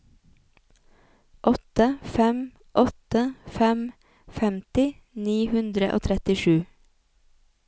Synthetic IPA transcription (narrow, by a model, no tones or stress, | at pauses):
ʔɔt̪əfɛm | ʔɔt̪əfɛm | fɛmt̪ɪ | niːhʉnd̪ɾəʔo̰ːt̪ʰɾɛt̪ɪʃʉː